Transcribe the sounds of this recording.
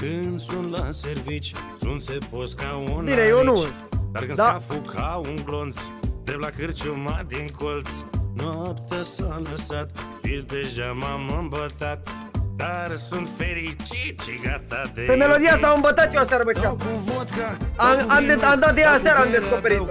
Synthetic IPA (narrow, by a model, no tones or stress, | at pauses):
kɨnd̪sunt̪laservit͡ʃsunt̪seposkaonbinejonu | d̪a̰rkɨnd̪aafukauŋɡlont̪s | d̪eblakɨrt͡ʃumad̪iŋkʰolt̪snoapt̪asaləsat̪̚fid̪e̞ʒamamɨmbət̪at̪ | d̪arsunt̪feɾit͡ʃit̪ʃiɡat̪ad̪epe̞me̞lo̞d̪ijaast̪amɨmbət̪at̪joasaɾəmət͡ʃauvot̪kaamamd̪eamd̪at̪̚d̪ejasaɾəamd̪esko̞pe̞ɾit̪